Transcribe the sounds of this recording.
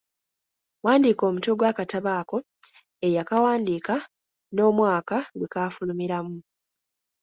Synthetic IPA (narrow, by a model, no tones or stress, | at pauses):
waːndiko̞ːmutuɡwaːkataβaːko̞ | ejakawaːndiːka | no̞ːmwaːkaɡwekafulumiɾamu